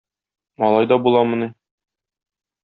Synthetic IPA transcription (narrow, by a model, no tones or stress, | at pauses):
ɒlˠɑjd̪ɒbulˠɑmɤ̆ni